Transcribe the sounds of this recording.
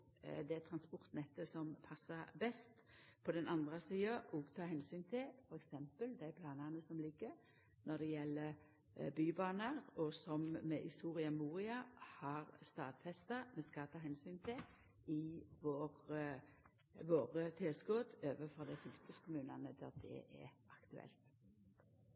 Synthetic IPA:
d̪ɛt̪ʰɾɑnspɔɾt̪nɛt̪ːəsɔmpʰɑsːəbɛst̪pʰɔd̪ɛnʔɑnd̪ʁəsiːɑʔɔɡt̪ʰɑːɦɛnsyːnt̪ʰɪlfɔɾɛksɛmpəld̪æɪpʰlɑːnɑnəsɔmlɪɡːəɾ | nɔd̪ɛjɛlːə | byːbɑːnəɾɔsɔmːɛʔɪst̪uːʁɪɑmuːʁɪɑhɑʁst̪ɑːd̪fɛst̪ɑmɛskɑt̪ʰɑːɦɛnsyːnt̪ʰɪ | ɪʋoːʁ | ʋoːʁət̪ʰeːsɡoːd̪øːʋəfɔɾd̪æɪfʉlkəskʰʊmʉːnɑnəd̪æd̪ɛ̰ʔɛ̰ʔɑkt̪ʉɛ̰lt̪

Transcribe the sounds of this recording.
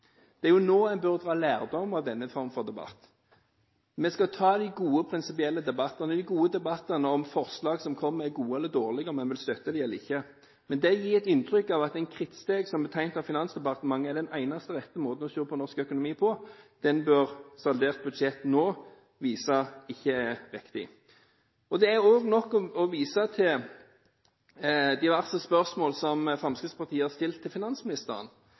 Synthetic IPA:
d̪̥ɛæʁjʊnoːæɪnbœʁd̪ʁɑːlæːʁd̪ɔmɑʋd̪ɛnːəfɔʁmfɔʁd̪ɛbɑ̰t̪ː | mɛskɑt̪ʰɑːd̪ɪɡuːəpʰɾɪnsɪpɪɛlːəd̪ɛbɑt̪ːɑnəd̪ɪɡuːəd̪ɛbɑt̪ːənəɔmfɔʁslɑːɡsɔmkʰɔmːəɾæɡuːəɛlːəd̪oːʁlɪɡəɔmɛnʋɪlst̪œt̪ːəd̪ɪɛlːəɾɪçːə | mɛnd̪ɛjiːɛt̪ɪnt̪ʰɾʏkːɑʋɑt̪æɪnkʰɾɪt̪st̪eːɡsɔmbət̪ʰæɪnt̪ɑʋfɪnɑnsd̪ɛpɑʁt̪əmɑŋːəɛd̪ɛnæɪnɑst̪əʁɛt̪ːəmoːd̪n̩ɔɕøːpʰɔnɔʁskœkʊnʊmiːpʰɔd̪̥ɛnbøʁsɑld̪eːʁt̪̚bʉd̪ʃɛt̪noː | ʋiːsɑɪçːəæʁɪkt̪ɪ̰ | ɔd̪ɛæɾoːɡnɔkːɔɔʋiːsɑt̪ʰɪl | d̪ɪʋæʁsəspœʁsmoːlsɔmfʁɑmskəspʰɑʁt̪ʰiːəhɑʁst̪ɪlt̪ʰːɪlfɪnɑnsmɪnɪst̪əʁə̰n

